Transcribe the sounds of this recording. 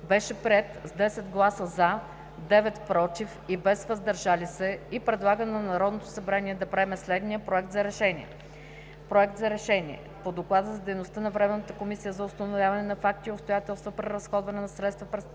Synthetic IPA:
bɛʃɛpɾʲiɛt̪zd̪ɛsɛd̪ɡlˠasəza | d̪ɛvɛt̪pɾɔt̪ifibɛzvɐzd̪ɐɾʒalisɛipɾɛd̪lˠaɡənnɐnɐɾɔd̪not̪o̥sɐbɾanʲiɛd̪ɐpɾaɛmɛslɛd̪nijəpɾoɛk̚t̪zɐɾɛʃɛniɛ̰ | pɾoɛk̚t̪zɐɾɛʃɛnʲiɛ̰pod̪oklˠad̪əzɐd̪ɛjnost̪ənɐvɾɛmɛnːət̪əkomisijəzɐʊst̪ɐnovʲjavɐnɛnɐfak̚t̪iopst̪ojat̪ɛlˠst̪vopɾɛɾɐsxɔd̪vɐnɛnɐsɾɛt̪st̪vɐpɾɛs

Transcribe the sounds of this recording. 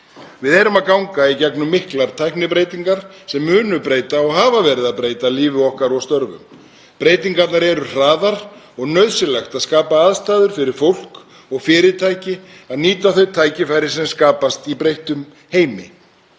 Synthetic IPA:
vɪðɛɾʏmaðkawŋkaicɛknʏmːɪhklaɾ̥t̪ʰajpnɪpɾeːjt̪iŋkaɾ̥sɛmːʏːnʏpɾeːjt̪aɔɣɦaːvavɛːɾɪðaðpɾeːjt̪aliːvɪɔhkaɾɔɣst̪œɾvʏ̰m | pɾeːjt̪̬iŋkat̪naɾɛɾʏr̥aːðaɾ | ɔɣnœɥðsɪlaxt̪aðskaːpaaðst̪aːðʏɾ̥fɪɾɪɾ̥fowl̥k | ɔɣfɪːɾɪt̪ʰajcɪ | aðniːt̪aθœɥt̪ʰaːjcɪfajɾɪ̥sɛmskaːpast̪ipɾejht̪ʏm | heːjmɪ̰

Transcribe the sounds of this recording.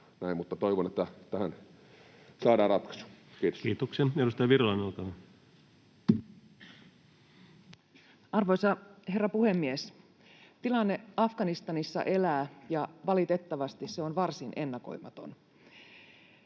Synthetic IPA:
næimmut̪ːɑt̪oiʋonet̪ːæt̪æhæn | sɑːdɑːrɑt̪kɑ̥su̥kiːt̪o̥skkiːt̪oksenedust̪ɑjɑʋirolɑnolk̪ɑʋɑ | ɑrʋojsɑhe̞rːɑpuhemːies | t̪ilɑnːeɑfɡ̥ɑnist̪ɑnisːɑ̰ʔe̞læːjɑʋɑlit̪e̞t̪ːɑʋɑst̪isseonʋɑrsinʔe̞nːɑko̞̰imɑt̪o̞̰n

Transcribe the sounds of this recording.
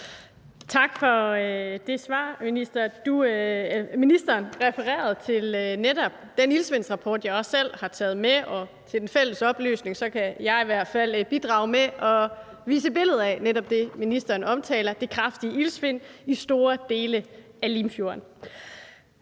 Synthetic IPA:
t͡sʰɑ̈ɡ̥fɒ̽d̥e̝sʋɑ̈ːminisd̥ɐd̥u | minisd̥ɐːnʁɛfəʁɛ̰ːɐð̞ˠt͡sʰe̝lnedɒ̽b̥d̥enilsʋe̝nsʁɑ̈pʰɒːd̥jɑɪɒ̽sːel̰hɑ̈t͡sʰɛ̰ːð̞̩ˠmeɒ̽ | t͡sʰe̝ld̥enfel̰əsɒ̽b̥ly̰ːsne̝ŋsɒ̽kʰæjɑ̈ɪiʋæɐ̰d̥fæl̰b̥id̥ʁɑ̈ʊmeʔɒ̽ | ʋḭːs̬əb̥e̝ləð̞̩ˠæneɾɒ̽b̥̚d̥e̝minisd̥ɐːnɒ̽mt͡sʰɛ̰ːlɐd̥ekʰʁɑfd̥iəʔilsʋe̝n̰isd̥o̝ːɐd̥e̝ːlə | ælimfjo̝ːɐn

